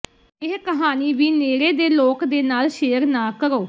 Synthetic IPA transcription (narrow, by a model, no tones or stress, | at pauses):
ɪɦkəɦaːniːʋiːneːɾeːd̪eːloːkd̪eːnaːlʃeːəɾnaːkəɾoː